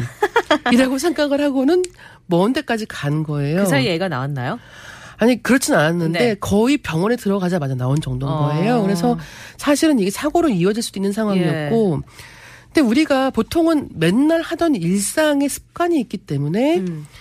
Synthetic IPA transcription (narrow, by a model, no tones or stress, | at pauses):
iɾaɡosʰe̞ŋɡaɡɯɭɦaɡonɯn | mʌɯnt͈e̞k͈ad͡ʑikanɡʌe̞joajeɡana̰wanːajo | aɲikɯɾʌt͡ɕʰinananːɯnde̞kʌipjʌŋwʌnetɯɾʌɡad͡ʑamad͡ʑanaond͡ʑʌŋdoŋɡʌe̞jokɯɾe̞sʰʌsʰaɕʰiɾɯniɡe̞sʰaɡoɾoiʌd͡ʑiɭs͈doinːɯnsʰaŋɦwaŋiʌt̚k͈o | kɯnde̞uɾiɡapotʰoŋɯnme̞nːaɭhadʌniɭs͈aŋe̞sʰɯ̥p̚k͈aɲiːk͈̚it͈e̞mune̞